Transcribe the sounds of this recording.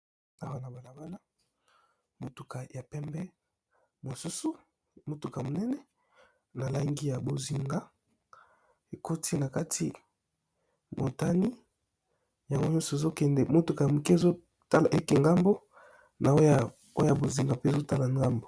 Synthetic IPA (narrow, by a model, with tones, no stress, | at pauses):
a˨wa˦na˨ba˨la˨ba˦la˦ | mo˨tu˨ka˨ja˨pɛ˦mbɛ˦ | mo˨su˦su˦ | mo˨tu˨ka˨mo˨nɛ˦nɛ˦ | na˨la˦ŋɡi˦ja˨bo˨zi˨ŋɡa˦ | e˨ko˦tʰi˦na˨ka˦tʰi˦ | mo˨ta˦ni˦ | ja˨ŋɡo˦ɲɔ˦so˨e˨zo˦kɛ˨ndɛ˨mo˨tu˨ka˨ja˨mu˨ki˦e˨zo˦ | ta˦la˨ʔe˦ki˨ŋɡa˦mbo˦ | nʔa˨o˦ja˦ | o˦ja˦˨bo˨zi˨ŋɡa˨pe˦˨zo˦ta˦la˨ŋɡa˦mbo˨